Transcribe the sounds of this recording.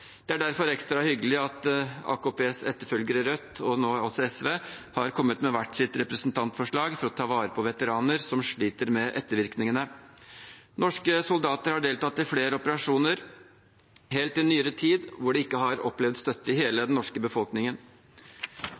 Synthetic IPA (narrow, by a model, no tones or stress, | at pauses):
d̪̥ɛæɖæɾfɔɾɛkst̪ɾɑhʏɡəlɪɑt̪ɑ̰ːkupʰeːsɛt̪ːəɾfœlɡəɾəɾœt̪ːɔnoːɔsɔɛsʋeːhɑɾkʰɔmːət̪mɛʋæʈːsɪt̪ɾɛpɾəsnt̪ʰɑnt̪fɔʂɭɑːɡfɔɾɔt̪ʰɑːʋɑːɾəpʰɔʋɛt̪əɾɑːnəɾsɔmʂɭiːt̪əɾmɛʔɛt̪ːəɾʋɪɾknɪŋənə | nɔʂkəsʊld̪ɑːt̪əɾhɑɖeːlt̪ɑt̪ːɪfleːɾəɔpəɾɑʂuːnəɾ | heːlt̪ːɪɛnːyːəɾət̪ʰiːd̪ʋʊɖɛɪkːəɦɑɾɔ̰plɛʋd̪st̪œt̪ːəɪheːləd̪ɛnːɔʂkəbəfɔlknɪŋən